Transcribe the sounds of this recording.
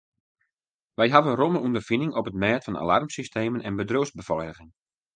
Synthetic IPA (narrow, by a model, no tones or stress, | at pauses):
ʋɛjɦavəənroməundərfinɪŋɔpətmɛːtfɑna̰larmsisteːmənɛnbədroːsbəfɔjdəɣɪŋ